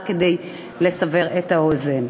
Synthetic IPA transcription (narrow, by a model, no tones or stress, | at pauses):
ked̪ej | le̞save̞ʁet̪aozen